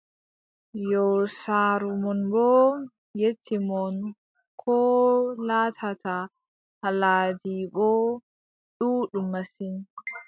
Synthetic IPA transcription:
joːsaːɾumɔnboː | jɛt̪ːimɔn | kʰoːlaːt̪ʰat̪ʰa | hɐlaːd̪iɡɔ | ɗuːɗumɐsin

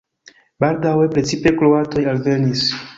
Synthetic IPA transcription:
baldawe̞pɾe̞t͡sipe̞kloato̞jalve̞nis

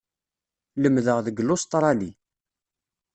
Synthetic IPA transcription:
ləmðəʁðəɡlʊst̪ˤɾˤɑli

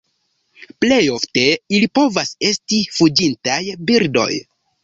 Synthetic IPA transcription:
ple̞jo̞fte̞ilipo̞vase̞stifud͡ʒintajbiɾdo̞̰j

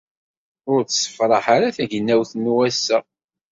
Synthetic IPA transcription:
ʊɾt͡sːsə̥fɾˤɑħaɾaθæʝənːæwθnːuwæsːæ

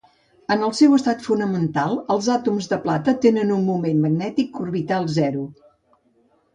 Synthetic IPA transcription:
ənəlˠsɛwəst̪at̪funəmənt̪alˠəlˠzat̪umzðəplat̪ət̪enənunmumenməɡnɛt̪ikːurβit̪alˠzɛɾu

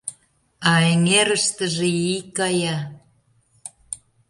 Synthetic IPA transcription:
ɑeŋeɾəʃt̪ə̆ʒeikɑjɑ

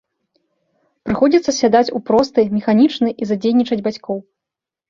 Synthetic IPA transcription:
pɾɨxɔd͡zʲit̪sɐsʲad̪at͡sʲupɾɔst̪ɨmʲɛxanʲit͡ʂnɨʔizad͡zʲejnʲit͡ʂɐd͡zʲbat͡sʲkɔw

